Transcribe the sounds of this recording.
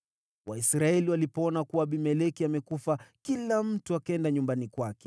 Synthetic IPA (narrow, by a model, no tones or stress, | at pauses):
waisɾaɛliwalipɔɔnakuwaːɓimɛlɛkiamɛkufakilam̩tuakaɛndaɲumbanikwakɛ̥